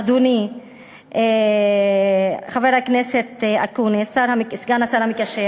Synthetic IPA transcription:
d̪uni | χaveɾhakneset̪akunisaɾhamiksɡanasaɾhamikaʃe

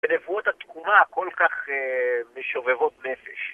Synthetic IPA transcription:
benevuot̪at̪kumako̞lkaχemeʃovevo̞t̚ne̞feʃ

